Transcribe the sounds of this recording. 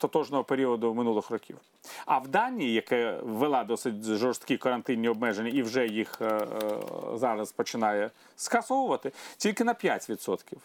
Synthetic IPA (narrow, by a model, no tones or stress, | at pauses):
t̪ɔt̪ɔʒnɔɦɔpeɾʲiɔd̪ʊmɪnulˠɪxrɔkʲḭw | ɐwd̪ɑnʲijijɐkɛʋelˠɑd̪ɔsɪtʲʒɔrst̪kʲikɔɾɐnt̪ɪnʲːiɔb̚mɛʒenʲːɐiwʒɛjix | zɑɾɐzpɔt͡ʃɪnɑjɛ | skɐsɔwʊʋɐt̪ɪtʲilʲkɪnɐpʲjatʲʋʲid̪sɔt̪kʲiw